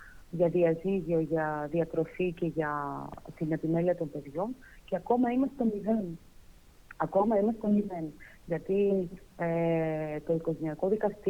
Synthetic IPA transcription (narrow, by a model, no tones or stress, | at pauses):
ʝɐðiɐziʝio̞ʝɐðiɐkɾo̞fice̞ʝɐt̪inepime̞liɐt̪o̞mpe̞ðʝo̞n | ceɐko̞mɐimɐst̪et̪omiðe̞n | ɐko̞mɐimɐst̪et̪omiðe̞n | ʝɐt̪i | et̪o̞iko̞ʝe̞niɐko̞ðikɐst̪i